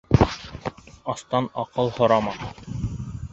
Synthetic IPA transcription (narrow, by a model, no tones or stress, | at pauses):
ɑst̪ɑnɑqɤlˠhŏɾɑmɑ